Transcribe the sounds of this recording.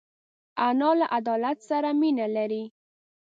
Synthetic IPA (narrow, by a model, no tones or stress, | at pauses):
anɑlaʔad̪ɑlat̪saɾaminalaɾi